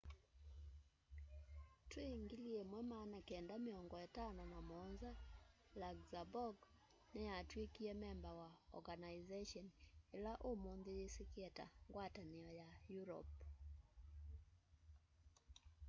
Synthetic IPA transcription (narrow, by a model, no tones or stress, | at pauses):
tweŋɡiliemwɛmanakɛndameɔŋɡɔetanɔnamɔnza | laɡzabɔɡ | nɛjatwekiɛmɛmbawaɔ̰ɡanaizeʃɔnelaʔomonðeesekɛta̰ŋɡwataneɔjajuɾɔ̰p